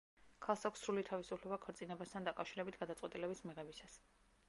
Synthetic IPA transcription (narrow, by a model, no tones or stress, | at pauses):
kʰalˠsakʷʰsːɾulit̪ʰavisupʰlɛbakʰɾt̪sʼinɛbast̪ʰand̪akʼafʃiɾɛbit̪ʰɡad̪at̪sʼwɛt̪ʼilɛbismiʁɛbisas